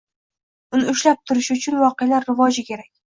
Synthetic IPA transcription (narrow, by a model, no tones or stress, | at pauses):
ʊnɪʊʃlap̚t̪ʰʊɾɪʃʊt͡ʃʰʊnvɒqealaɾːɪvɒd͡ʒɪkʲʰe̞ɾakʲ